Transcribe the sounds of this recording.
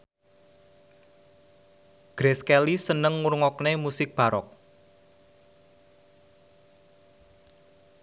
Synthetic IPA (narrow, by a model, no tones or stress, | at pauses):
ɡ̥ɾeskɛlisənəŋːuɾŋɔknemusɪk̚b̥a̤ɾɔ̰k̚